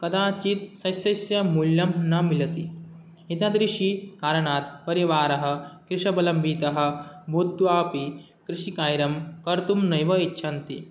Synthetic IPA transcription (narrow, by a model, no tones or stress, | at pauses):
kɐd̪aːt͡ʃit̪sɐjsɐsjɐmuljɐmnɐmilɐt̪i | it̪ad̪ɾiʃikaːɾɐɳaːt̪̚pɐɾiʋaːɾɐɦɐ̆kɾɪʂɐbɐlɐmbʱiːt̪ɐɦɐ̆bʱut̪ːuʋaːpi | kɾiʃikaːjɾɐmkɐɾt̪umnɐjʋɐitːɕʰɐnt̪i